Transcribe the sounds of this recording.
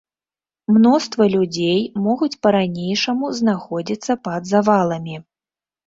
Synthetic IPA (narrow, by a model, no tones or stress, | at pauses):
mnɔst̪vɐlʲud͡zʲejmɔɣut͡sʲpɐɾanʲejʂɐmuznaxɔd͡zʲit̪sːɐpɐd̪zavalˠɐmʲi